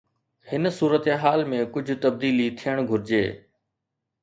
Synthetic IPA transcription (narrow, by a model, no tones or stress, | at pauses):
hɪnsuːɾət̪eɦaːlmẽkʊd͡ʑʱʊt̪ɐb̚d̪iːlit̪ʰijəɽ̃ɡʱʊɾɪd͡ʑḛː